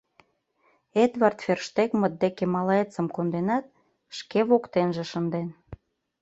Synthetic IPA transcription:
ed̪βɑrt̪ferʃt̪ekmə̆t̪̚d̪ekemɑlɑet͡səmkond̪enɑt̪̚ | ʃkeβokt̪enʒĕʃənd̪en

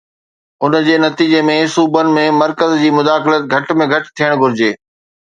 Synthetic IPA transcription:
ʊnd͡ʑeːnɐt̪iːd͡ʑemẽsuːbənɪ̆mẽmɐɾkəzd͡ʑiːmʊd̪aːxɪlət̪̚ɡʱɐʈ̆mẽɡʱɐʈt̪ʰijəɽ̃ɡʱʊɾɪd͡ʑeː

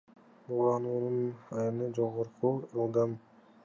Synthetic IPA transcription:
bulˠɑnuːnunɑjɯnɯd͡ʒoʁoɾquɯlˠd̪ɑm

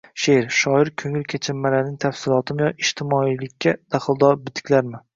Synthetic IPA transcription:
ʃeɾʃɒɪɾkʲʰɵŋɪlkʲʰat͡ʃʰɪmːalanɪŋt̪ʰafsɪlˠɒt̪ʰɪmjɒɪʃt̪ʰɪmɒilɪkʲʰːad̪̥aχɨlˠd̪ɒɾbɪt̪ʰɪ̥kʲlaɾmɪ

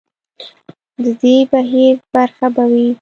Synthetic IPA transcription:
d̪əd̪ebaɦiɾbaɾxabawi

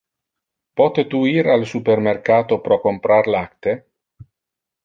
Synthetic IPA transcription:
pɔt̪et̪uiɾalsupermerkaːt̪opɾɔkompɾaɾlakt̪e

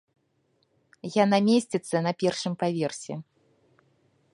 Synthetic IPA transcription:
janamʲesʲt͡sʲɛt̪sːɐnɐpʲɛrʂɨmpavʲɛrsʲɛ

